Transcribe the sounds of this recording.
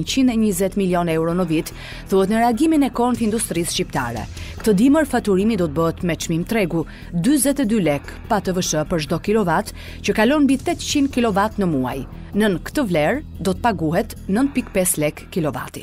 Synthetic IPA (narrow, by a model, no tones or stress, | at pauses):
nt͡ɕinɛɲəzɛt̪miljɔnɛwɾɔnəvit̪ | θuhɛt̪nəɾɛaɡiminɛkɔntind̪ust̪ɾisʃcipt̪a̰ɾɛ̰kt̪əd̪iməɾfat̪uɾimid̪ɔt̪əbəɦɛt̪mɛt͡ʃmimt̪ɾɛɡu | d̪yzɛt̪ɛd̪ylɛkpat̪əvəʃəpəɾʒd̪ɔkilɔvat̪ | t͡ɕəkalɔnbit̪ɛt̪t͡ɕinkilɔvat̪nəmua̰j | nənkt̪əvlɛɾ | d̪ɔt̪ə̥paɡuɦɛt̪nənt̪̚pikpɛslɛkːilɔva̰t̪i̥